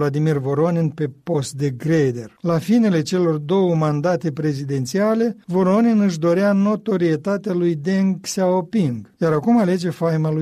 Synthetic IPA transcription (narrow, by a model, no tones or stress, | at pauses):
lad̪imirvo̞ɾoninpe̞ppo̞st̪̚d̪e̞ɡɾed̪e̞rlafine̞le̞t͡ʃe̞lo̞rd̪o̞wəmand̪at̪e̞pɾe̞zid̪e̞nt̪siale̞vo̞ɾoninɨʃ̬d̪o̞ɾeano̞t̪o̞ɾie̞t̪at̪ealujd̪eŋɡsaopiŋɡjaɾakumale̞d͡ʒe̞fajmalu